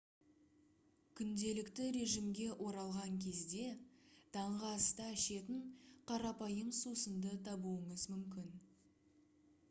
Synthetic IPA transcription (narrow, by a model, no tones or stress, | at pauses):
kʲʰʏnd̪e̞lɪkt̪ɪɾe̞ʒimɡʲe̞ʔo̞ɾɑlˠʁɑŋkʲʰe̞zd̪e̞d̪̥ɑɴʁɑst̪ɑːʃe̞t̪ɪŋqʰɑɾɑpɑjəɴsusənd̪ət̪ʰɑbuəɴəzmʏmkʲɪn